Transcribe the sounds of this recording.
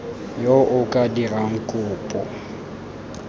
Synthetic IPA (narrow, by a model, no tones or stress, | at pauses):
joʔʊkʼadiraŋ̩kʼʊːpʼɔ̰